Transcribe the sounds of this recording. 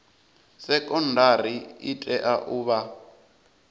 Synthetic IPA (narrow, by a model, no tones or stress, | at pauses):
sɛkʼɔndʱaɾiitʼɛʔaʔuːβa